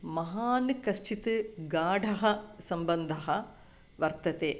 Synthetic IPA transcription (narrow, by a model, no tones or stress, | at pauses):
mɐɦaːnɨkɐʃt͡ʃit̪ɨɡaːɖʱɐɦɐsɐmbɐnd̪ʱɐɦɐ | ʋɐɾt̪ɐt̪eː